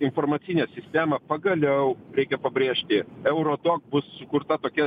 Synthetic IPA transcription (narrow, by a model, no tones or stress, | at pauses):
ɪnfoːrmɐt̪sʲinʲɛsʲɪsʲt̪ʲæːmɐpɐɡɐlʲɛʊɾʲɛɪkʲɛpɐbʲɾʲeːʃʲt̪ʲɪɛʊɾoːd̪oːk̚bʊsːʊkʊɾt̪ɐt̪oːkʲɛ